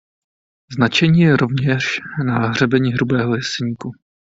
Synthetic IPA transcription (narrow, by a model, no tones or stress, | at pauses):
znat͡ʃɛɲiːjɛɾovɲɛʃnaːɦr̝ɛbɛɲiːɦɾubɛːɦojɛsɛɲiːku